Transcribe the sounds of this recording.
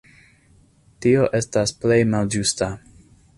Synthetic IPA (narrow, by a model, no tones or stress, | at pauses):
tio̞ʔe̞stasple̞jmald͡ʒusta